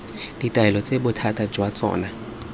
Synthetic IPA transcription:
d̥itʼaɛlɔt͡sʼebʊtʰatʼad͡ʒwat͡sʼɔ̰ːna

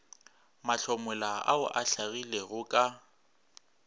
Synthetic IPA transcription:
maɬʰɔmʊlaa̰ʊʔaɬaɣileɣʊkʼa

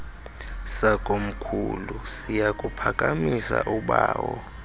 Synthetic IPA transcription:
sakʼom̩kʰulusijakʼupʰakʼamisa̰ʔuɓaːwɔ

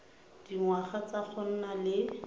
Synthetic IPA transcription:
d̥iŋwaχat͡sak͡xʰɔn̩nalɪ

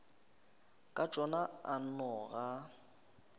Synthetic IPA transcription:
kʼat͡ʃʼɔnaan̩nɔɣa

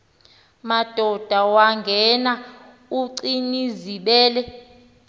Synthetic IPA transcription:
mad̥ʱɔd̥ʱawaŋɡʱɛna | uǀiniziɓɛːlɛ

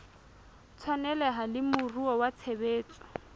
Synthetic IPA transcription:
t͡sʰwanɛlɛɦalɪmʊruɔwat͡sʰebeːt͡sʼɔ̥

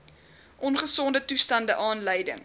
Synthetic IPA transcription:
ʔɔnχəsɔndətustɐndəʔɑːnləjdə̰ŋ

